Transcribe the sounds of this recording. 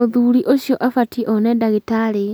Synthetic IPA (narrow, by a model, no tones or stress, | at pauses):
oðuɾiʔoɕjɔʔafatiʔɔnɛdaɣitaɾe